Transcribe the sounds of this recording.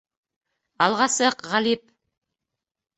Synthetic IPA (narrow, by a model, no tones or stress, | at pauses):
ɑlˠʁɑsɤqʁɑlip̚